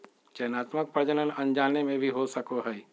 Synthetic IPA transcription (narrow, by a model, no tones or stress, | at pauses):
t͡ʃɛːnaːt̪mək̚pɾəd͡ʒənənɐ̃nd͡ʒaːnːemẽbʱiɦosəkoɦɛː